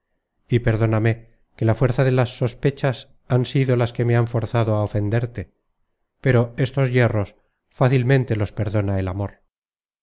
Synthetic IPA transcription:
ipe̞ɾðo̞name̞ | ke̞lafwe̞ɾθaðe̞lasːo̞spe̞t͡ʃas | ansiðolaske̞meaɱfo̞ɾθaðoaofe̞nd̪eɾt̪e̞ | pe̞ɾo̞e̞st̪o̞zje̞ro̞s | faθilmẽ̞nt̪e̞lo̞spe̞ɾðo̞naelamo̞ɾ

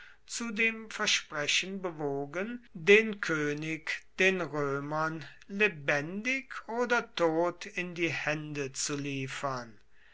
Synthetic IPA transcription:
t͡sudeːmfɛɐʃpʁɛɕənbəvoːɡəndeːnkʰøːnɪkd̥eːnʁøːmɐnlebɛndɪkʰʔoːdɐtʰoːtʰɪndiːhɛndət͡suliːfɐn

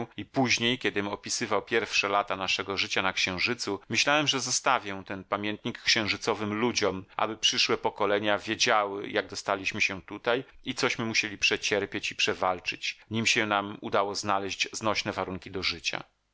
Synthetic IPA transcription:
ipuʑɲejkʲɛd̪ɘmɔpʲisɘvawpʲjɛɾfʂɛlat̪anaʂɛɡɔʐɘt͡ɕanakɕɛ̃w̃ʐɘt̪sumɘɕlawɛmʐɛzɔst̪avʲjɛ̃t̪ɛnpamʲjɛnt̪ɲikːɕɛ̃w̃ʐɘt̪sɔvɘmlud͡ʑɔmʔa̰bɘpʂɘʂwɛpɔkɔlɛɲavʲjed͡ʑawɘ̰jaɡd̪ɔst̪alʲiɕmɘɕɛt̪ut̪ajit̪sɔɕmɘmuɕelʲipʂɛt͡ɕɛɾpʲjet͡ɕipʂɛvalt͡ʂɘt͡ɕɲimɕɛnamud̪awɔznalɛʑd͡ʑznɔɕnɛvaɾuŋkʲid̪ɔʐɘt͡ɕa̰

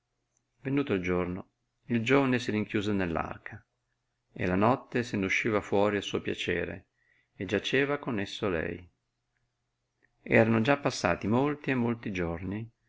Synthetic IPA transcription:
venuːt̪oald͡ʒorno | ild͡ʒoːvanesiɾiŋkjuːzonelːa̰rkʰa | ḛlanɔt̪ːesenuʃːiːvafwɔːɾialsuːopja̰t͡ʃḛːɾḛ | ed͡ʒat͡ʃeːvakonesːoalɛ̰j | ɛ̰ːɾanod͡ʒapːasːa̰ːt̪imolt̪iemːolt̪id͡ʒorni

